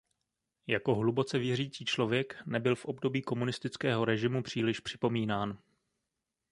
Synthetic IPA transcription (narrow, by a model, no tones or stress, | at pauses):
jako̞ɦlubo̞t͡sɛvjɛriːt͡siːt͡ʃlo̞vjɛknɛbɪlfʔo̞bdo̞biːko̞munɪst̪ɪt͡skɛːɦo̞ɾɛʒɪmupr̝̥iːlɪʃpr̝̥ɪ̥po̞miːnaːn